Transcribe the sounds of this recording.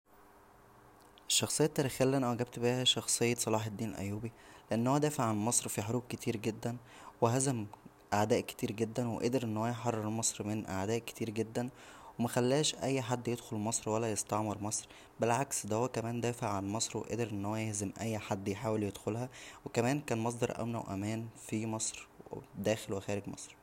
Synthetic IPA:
ʔeʃːɑxsˤejːɑt̪ːæɾiːxæjælːʔænæʔæwæɡæb̚t̪biːhæʃɑxsˤejːɑsˤɑlɑːħed̪ːiːnelʔæ̰jːuːbileʔenːhowæd̪æːfeʕʕanmɑsˤɾfiħoɾuːb̚ket̪ʰiːɾɡed̪ːæn | weɦæzæm | ʔaʕd̪æːʔke̥t̪iːɾɡed̪ːænweʔed̪eɾʔenːhowæjħɑrˤːeɾmɑsˤɾmenʔa̰ʕd̪æːʔke̥t̪iːɾɡed̪ːænwemæxælːæːʃʔæjːħad̪ːjed̪xolmɑsˤɾwælːæjest̪ɑʕmɑɾmɑsˤɾ | belʕaksd̪æhowːækæmæːnd̪æːfeʕʕanmɑsˤɾwḛʔḛd̪eɾʔenːhowːæjehzemʔæjːħad̪ːjħaːweljed̪xolhæwekæmæːnkæːnmɑs̬ˤd̪ɑɾˤʔæ̰mnæ̰wʔæ̰mæːnfimɑsˤɾd̪æːxelwexæːɾeɡmɑ̰sˤɾ

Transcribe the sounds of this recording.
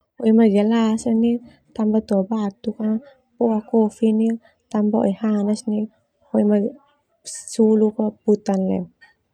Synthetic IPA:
ɔimaɡalasani | t̪ambat̪uabat̪uka | pɔakɔfini | t̪ambaɔ̰ihanasni | ɔima | sulukɔput̪anlɛ̰

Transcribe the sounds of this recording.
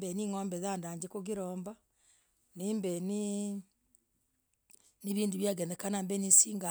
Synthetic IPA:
bɛniŋɔːmbɛðandaɲd͡ʒekoɡiɾɔːmba | nimbɛni | niβiːnduβjaɣɛnɛkanambɛnisiːŋɡa

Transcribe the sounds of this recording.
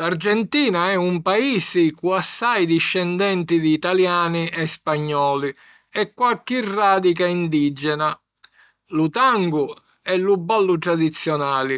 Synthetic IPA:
lard͡ʒɛnt̪iːnaɛumpaiːsikuasːajd̪iʃːɛnd̪ɛnt̪id̪iːt̪aljaːniʔɛspaɲːɔːli | ɛkːwakːirːaːd̪ikaind̪id͡ʒɛna | lut̪aŋɡu | ɛlːubːalːut̪ɾad̪it̪sːjɔnaːli

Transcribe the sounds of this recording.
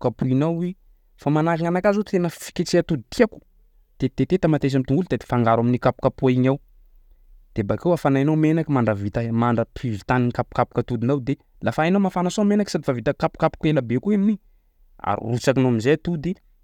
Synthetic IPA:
kapuinawi | famanaɾiŋanakazut̪enəfi̥kʲet͡seat̪ud̪it̪iaku̥ | d̪̥et̪et̪et̪amat̪es̬amt̪uŋɡulud̪ad̪e̥faŋɡaɾaminikapu̥kapuaiɲaw | d̪̥ebakewafanajnawmenakimaɳɖ͡ʐəvit̪amaɳɖ͡ʐəpivit̪aninikapu̥kapu̥kət̪ud̪inawd̪e | lafainawmafanasomenaki̥sad̪ifavit̪əkapu̥kapu̥kenəbekuimini | a̰ɾḭrut͡sakinoaminzeat̪ud̪i

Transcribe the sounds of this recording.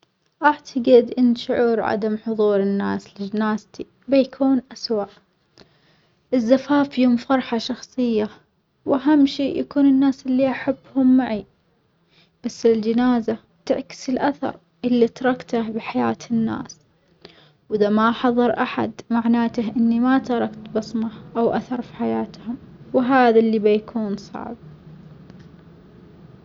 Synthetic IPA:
ʔaʕt̪ʰaɡɪd̪ʔɪnːʃʊʕuːɾʕa̰d̪amħʊðˤuːɾɪnːa̰ːslɪd͡ʒɪnaːzt̪i | bajkʰuːnʔaswaʔ | ʔɪzːafaːfjʊmfɑɾˤħɑʃɑxsˤɨjːa | wʔaɦamːʃiːʔjakuːnɪnːaːsɪlːiʔaħabːhʊmːaʕi | b̥asːɪld͡ʒɪnaːza | t̪ɪʕkɪ̥sɪlʔaθɑ̰ɾˤ | ʔɪlːit̪ɑɾˤɑkt̪abħaja̰ːt̪ʰɪnːa̰ːs | wʔɪðamaħɑðˤɨɾˤʔaħa̰d̪maʕnaːt̪ahʔɪnːimat̪ɑɾˤɑkt̪bɑsˤmɑʔawʔa̰θɑɾˤfi̥ħajaːt̪hʊmwɦaːðalːibajakʰuːnsˤɑ̰ʕb̚

